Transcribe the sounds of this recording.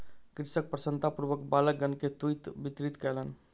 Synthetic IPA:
kɾɪsək̚pɾəsənt̪apuɾbəkbaləɡənket̪ujt̪bit̪ɾit̪kɛlən

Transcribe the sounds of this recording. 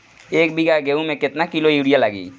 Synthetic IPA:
ek̚biɡaɡeumeket̪nakilojuɽijalaɡḭ

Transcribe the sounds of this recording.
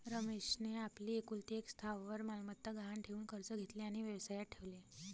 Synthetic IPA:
ɾəmeɕneapliːekult̪eekst̪ʰaʋʋəɾmalmət̪ːəɡʱaɦaɳʈʰeʋuːnkəɾt͡səɡʱet̪leaɽ̃iʋjəʋsajaʈʰeʋle

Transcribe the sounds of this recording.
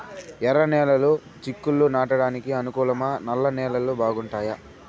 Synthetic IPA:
ɛɾɐnɛːlɐlu | t͡ʃikːulːunaːʈɐɽaːnikiɐnukuːlɐmɐnɐlːɐnɛːlɐlːubʱaːɡuɳʈaːjɐ

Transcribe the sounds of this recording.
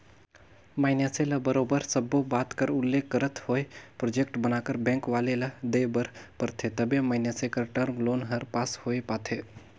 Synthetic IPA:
maːɪnaselɐbəɾoːbəɾsəbobaːt̪kəɾʊlːeːkːəɾət̪ʰhoːepɾoːd͡ʒeːkʈbənaːkəɾbɛ̃ːŋkʋaːlelɐd̪eːbəɾpəɾt̪ʰet̪ɐbẽmaɪnjasekəɾʈəɾmloːnɦɐɾpaːshoːepaːt̪ʰeː

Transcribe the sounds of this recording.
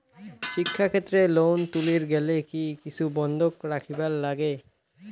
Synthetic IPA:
ʃikʰːakʰet̪ːɾelownt̪uliɾɡɛlekikit͡ɕʰubɔnd̪ʱokɾakʰibaɾlaɡe

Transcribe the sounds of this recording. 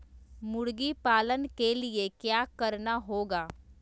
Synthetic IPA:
mʊɽɡipaːlənkeliekjaːkɐɾnaɦoːɡaː

